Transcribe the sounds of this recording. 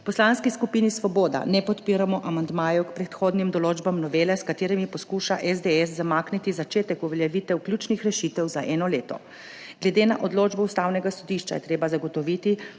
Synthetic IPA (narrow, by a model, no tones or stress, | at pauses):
pɔslanskiskupinisʋɔboːd̪a̰nɛpɔt̪piːɾamɔʔamand̪maːjukpɾɛt̪xoːd̪nimd̪ɔloːd͡ʒbamnɔʋeːlɛskat̪eːɾimipɔskuʃaʔɛzd̪eɛs̬zːamaːknit̪izat͡ʃeːt̪ɛkuʋɛljɛʋit̪ɛwklʲjuːt͡ʃnixɾɛʃit̪ɛwzaʔɛːnɔleːt̪ɔ̰ | ɡ̥lɛd̪eːnaʔɔd̪loːd͡ʒbɛust̪awnɛɡasɔd̪iʃt͡ʃa̰jɛ̰t̪ɾeːbazaɡɔt̪ɔʋiːt̪i